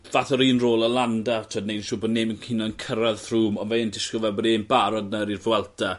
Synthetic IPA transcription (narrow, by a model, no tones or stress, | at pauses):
vaθɔɾiːnroːlˠəlˠandatʰoːdnejʃuːbɔdneːmənkʰinankʰəɾaðθruːmɔnvɛndɪskəvɛbɔdeːmbaɾɔdnəɾirvwɛlˠtʰa